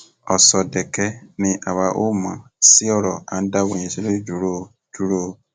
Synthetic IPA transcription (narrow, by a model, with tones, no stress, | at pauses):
ɔ˨sɔ˨dɛ˨kɛ˧nĩ˧ʔa˨wa˧ʔo˦˨mã˨si˦ɔ˦˨ɾɔ˨a̰˨n̩˦da˦wõ˨ĩ˧˨se˦lo˦i˦d͡ʒu˨˦ɾo˦˨ | d͡ʒu˦ɾo˦˧˦